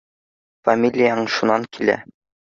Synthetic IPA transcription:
fɐmʲilʲɪjəɤɴʃunɑŋkʰilæ̰

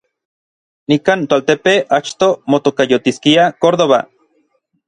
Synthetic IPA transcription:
nikaːnt̪oalt̪epeat͡ʃt̪omot̪okajot̪iskiakoɾðoβa̰

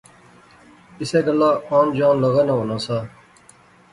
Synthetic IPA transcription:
ɪseːɡəlːaːaːnd͡ʒaːnləɣaːnãːɦoːnãːsaː

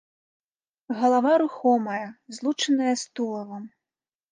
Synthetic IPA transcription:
ɣɐlˠavaɾuxɔmɐjɐzlˠut͡ʂɐnɐjɐst̪ulˠɐvɐm

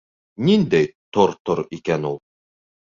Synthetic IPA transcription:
nind̪æjt̪oɾt̪oɾikænulˠ

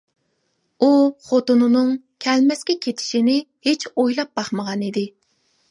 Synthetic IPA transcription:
uχot̪unɨnɨŋ | kʲʰɛlmɛskʲɛkʲʰet̪ʰɪ̥ʃinɪhet͡ʃʰojlˠɑp̚bɑχməʁɑnid̪ɪ

